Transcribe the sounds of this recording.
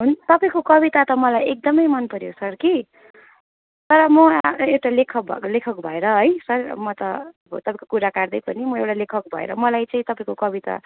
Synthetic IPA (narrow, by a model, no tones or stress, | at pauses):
ɦunt̪ʌpaĩkokʌbit̪at̪ʌmʌlajek̚d̪ʌmʌjmʌnpʌɾjosʌrki | t̪ʌɾʌmʌewʈalekʰʌbʱʌ̰lekʰʌkbʱʌeɾʌɦʌjsʌrmʌt̪ʌbʌt̪ʌpãĩkokuɾakard̪ʌjpʌnimʌewʈalekʰʌk̚bʱʌ̰ḛɾʌmʌlajt͡saĩt̪ʌpaĩkokʌbit̪a̰